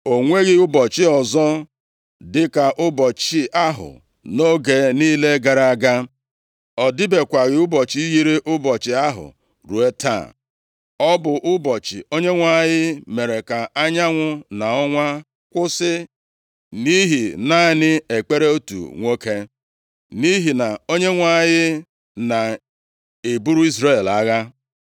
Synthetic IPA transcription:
o˨ŋʷe˦ɣɪ˦ʊ˦bɔ˨t͡ʃɪ˦ɔ˨zɔ˦ | dɪ˦ka˨ʔʊ˦bɔ˨t͡ʃɪ˦a˦ɦʊ̰˨ | no˦ɡe˨niː˦le˦ɡa˨ɾa˨ɡa˦ | ɔ˨dɪ˦be˨kʷa˨ɣɪ˦ʊ˦bɔ˨t͡ʃi˦ji˦ɾe˦ʔʊ˦bɔ˨t͡ʃɪ˨a˦ɦʊ̰˨ | ɾu˨e˦ta̰˦˨ | ɔ˦bʊ˨ʔʊ˦bɔ˨t͡ʃɪ̰˨o˦ɲe˦ŋʷa˦˨ɲɪ˦me˨ɾe˨ka˨a˦ɲa˦ŋʷʊ˦na˨ɔ˦ŋʷa˦ | kʷʊ˦sɪ˦ | ni˦ɦi˨na˦˨nɪ˦e˨k͡pe˦ɾe˦o˦tṵ˨ŋʷo˦ke˦ | ni˦ɦi˨na˨o˦ɲe˦ŋʷa˦˨˦jɪ˦ | na˨ | e˨bu˦ɾu˦i˦zɾe˦˨la˦ɣa˦

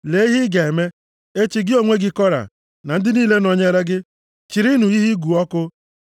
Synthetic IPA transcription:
le˨˦i˦ɦi˦ɡa˨e˨me˦ | e˦t͡ʃi˨ɡɪ˦o˦ŋʷe˦ɡɪ˦kɔ˦ɾa̰˨ | na˨n̩˦dɪ˦niː˦le˦nɔ˨ɲe˦ɾe˦ɡɪ˦ | t͡ʃi˨ɾi˦nu˨i˦ɦi˦ɡu˨ɔ˦kʊ˦

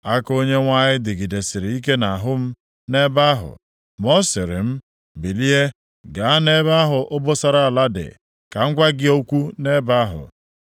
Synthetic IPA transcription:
a˦ko˦ɲe˦ŋʷa˦ɲɪ˦dɪ˨ɡɪ˨de˨sɪ˨ɾi˨i˦k̬e˦na˨ɦʊ˦m̩˦ | ne˦ba˦ɦʊ̰˨ | mɔ˦sɪ˨ɾɪ̰˨m̩˦ | bi˨li˦e˦ | ɡa˨a˦ne˦ba˦ɦʊ˨ʔʊ˦bʊ˦sa˨ɾa˨a˨la˦dɪ̰˨ | ka˨ŋ̩˦kʷa˦ɡɪ˦o˦kʷu˦ne˦ba˦ɦʊ̰˨

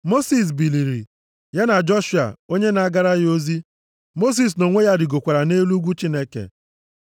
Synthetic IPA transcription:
mo˦si˨s̬bi˨li˨ɾi˨ | ja˦na˨d͡ʒɔ˦ʃu˨a̰˨o˦ɲe˦na˨a˦ɡa˦ɾa˦ɣo˦zi˦ | mo˦s̬i˨s̬no˨ŋʷe˦ja˦dɪ˨ɡo˨kʷa˨ɾa˨ne˦lu˦ɡʷu˦t͡ʃi˦ne˦kḛ˨

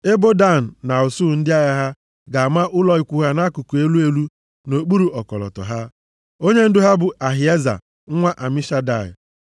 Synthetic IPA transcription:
e˦bo˦da˦˨n̩˨na˨o˨su˦˨n̩˦dɪ˦a˦ɣa˦ɦa˦ | ɡa˨a˨ma˦ʔʊ˦lɔ˦i˨kʷu˦ɦa˦na˦ku˨ku˨e˦lu˦e˦lu˦ | no˨k͡pu˦ɾu˨ɔ˨kɔ̰˨lɔ̰˨tɔ̰˨ɦa˦ | o˦ɲe˦n̩˦dʊ˦ɦa˦bʊ˨ʔa˨ɦi˨e˦za̰˨ | ŋ̩˦ŋʷa˦ʔa˨mi˦ʃa˦da˨ɪ̰˨

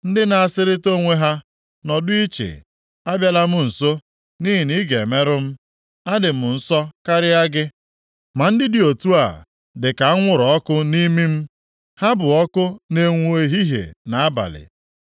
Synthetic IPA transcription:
n̩˦dɪ˦na˨a˨sɪ˦ɾɪ˦to˦ŋʷe˦ɦa˦ | nɔ˨dʊ˦i˦t͡ʃḛ˨ | a˦bja˦la˦m̩˦n̩˨so˦ | ni˦ɦi˨ni˦ɡe˨me˦ɾʊ˦m̩˦ | a˦dɪ˨m̩˨n̩˦sɔ˦ka˦ɾɪ˦a˦ɡɪ˦ | ma˨n̩˦dɪ˦dɪ˨o˨tu˦a˨ | dɪ˨ka˨a˦ŋʷʊ˨ɾɔ˨ɔ˦kʊ˦ni˦mi˦m̩˦ | ha˦bʊ˨ɔ˦kʊ˦ne˨ŋʷu˦e˦ɦi˦ɦḛ˨na˨a˦ba̰˨lɪ̰˨

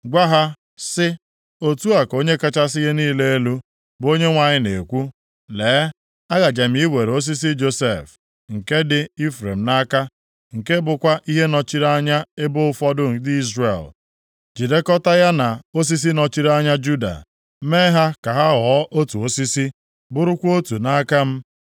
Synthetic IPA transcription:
ɡʷa˦ɦa˦ | sɪ˦ | o˦tu˦a˨ko˦ɲe˦ka˦t͡ʃa˦s̬ɪ˦ɣe˦niː˦le˦e˦lu˦ | bo˦ɲe˦ŋʷa˨ɲɪ˦ne˨kʷu˦ | leː˨˦ | a˦ɣa˨d͡ʒa˨m˨˦i˦we˨ɾo˦s̬i˦s̬i˦d͡ʒo˦se˦˨f | ŋ̩˨ke˦dɪ˦i˦fɾḛ˨m̩˨na˦ka˦ | ŋ̩˨ke˦bʊ˨kʷa˦ʔi˦ɦe˦nɔ˨t͡ʃi˦ɾa˦ɲa˦e˦bʊ˦ʊ˦fɔ˦dʊ˦˨di˦zrḛ˨l | d͡ʒi˨de˦kɔ˦ta˦ja˦na˨o˦s̬i˦s̬i˦nɔ˨t͡ʃi˦ɾa˦ɲa˦d͡ʒu˦da̰˨ | me˦ɦa˦ka˨ɦa˦ɣɔ˨˦ʔo˦tu˨o˦si˦si˦ | bʊ˦ɾʊ˦kʷo˦tu˨na˦ka˦m̩˦

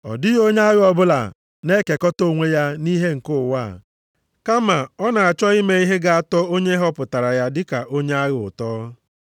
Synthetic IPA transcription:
ɔ̰˨dɪ˦jo˦ɲ˦a˦ɣɪ˦ɔ˨bʊ˦la̰˨ | ne˦ke˨kɔ˦to˦˨ŋʷe˦ja˦ni˦ɦe˦ŋ̩˨kʊ˦˨wa˦˨ | ka˦ma˨ɔ˦na˨a˨t͡ʃɔ˦i˦me˦i˦ɦe˦ɡa˨a˦tɔ˦o˦ɲe˦ɦɔ˦pʊ˨ta˨ɾa˨ja˦dɪ˦ka˨ʔo˦ɲe˦a˦ɣʊ̰˨tɔː˦

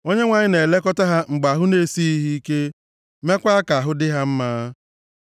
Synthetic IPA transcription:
o˦ɲe˦ŋʷa˨ɲɪ˦ne˨le˦kɔ˦ta˦ɦa˦ŋ͡m̩˨ɡ͡ba˨ɦʊ˦ne˦si˦i˦ɦi˦i˦ke˦ | me˦kʷa˦a˦ka˨a˨ɦʊ˦dɪ˦ɦa˦m̩˦maː˦

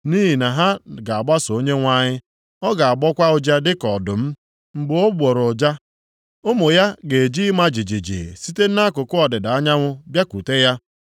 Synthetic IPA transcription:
ni˦ɦi˨na˨ɦa˦ɡa˨a˨ɡ͡ba˦so˨˦ɲe˦ŋʷa˦ɲɪ˦ | ɔ˦ɡa˨a˨ɡ͡bɔ˦kʷa˦ʊ˦d͡ʒa˦dɪ˦kɔ˨dʊ˨m̩˦ | ŋ͡m̩˨ɡ͡bʊ˦o˦ɡ͡bo˨ɾʊ˨d͡ʒa˦ | o˦mʊ˨ja˦ɡe˨d͡ʒi˦ma˦d͡ʒi˨d͡ʒi˨d͡ʒḭ˨si˦te˦n̩˦na˦kʊ˨kʊ˦ɔ˨dɪ˨da˨a˦ɲa˦ŋʷʊ˦bja˦kʷu˨te˦ja˦

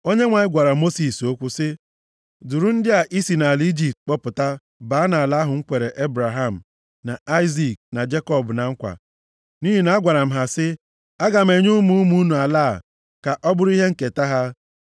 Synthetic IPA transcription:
o˦ɲe˦ŋʷa˨ɲɪ˦ɡʷa˨ɾa˨mo˦si˨so˦kʷu˦sɪ˦ | du˨ɾu˦n̩˦dɪ˦a˨ʔi˦si˨na˨li˦d͡ʒi˦˨p̚t̚k͡pɔ˦pʊ˨ta˦ | ba˨˦a˦na˨la˦ɦʊ˨ŋ̩˦kʷe˨ɾe˨ʔe˦bɾa˨ɦa˦m̩˨ | na˨a˦ɪ˦zi˨k̚na˨d͡ʒe˦kɔ˦˨bna˨ŋ̩˦kʷa̰˨ | ni˦ɦi˨na˦ɡʷa˨ɾa˨m̩˨ɦa˨sɪ˦ | a˦ɡa˨m̩e˨ɲu˦mu˦mu˦nu˨a˨laː˦˨ | ka˨ʔɔ˦bʊ˦ɾi˦ɦe˦ŋ̩˨ke˨ta˦ɦa˦

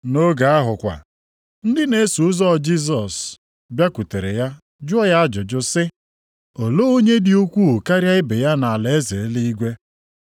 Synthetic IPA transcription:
no˦ɡa˨a˦ɦʊ˨kʷa̰˨ | n̩˦dɪ˦ne˨˦su˨˦zɔ˦˨d͡ʒi˦z̬ɔ˨s | bja˦kʷu˨te˨ɾḛ˨ja˦ | d͡ʒʊ˦ɔ˦ja˦d͡ʒʊ˨d͡ʒʊ˦sɪ˦ | o˨lo˦o˦ɲe˦dɪ˨u˦kʷu˦ʊ˨ka˦ɾja˦ɪ˦be˨ja˦na˨a˨le˨e˦ze˨˦li˦i˦ɡʷe˦

